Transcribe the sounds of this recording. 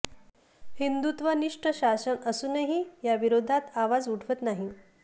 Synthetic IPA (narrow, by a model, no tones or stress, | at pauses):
hind̪ut̪ʋəniʂʈəɕasənəsunəɦijaʋiɾod̪ʱat̪aʋad͡zuʈʰʋət̪naɦi